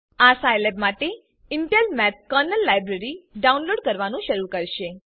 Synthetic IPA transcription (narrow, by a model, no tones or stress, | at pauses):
asajlebmaʈe | ɪɳʈelmɛp̚kəɾnəlːajbɾəɾiɖaunloɖkəɾʋanũʃəɾukəɾʃe